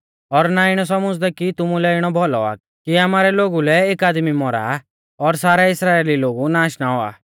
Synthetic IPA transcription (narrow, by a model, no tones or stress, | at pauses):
ɔɾnaɪɽ̃ɔs̬ɔmʊd͡zd̪ɛkit̪ʊmulɛɪɽ̃ɔbʱɔlɔa̰ | kiamaːɾɛloːɡulɛeːkaːd̪mimɔɾa̰ | ɔɾsaːɾaɪsɾaːeːliloːɡunaːʃnaɔa̰ː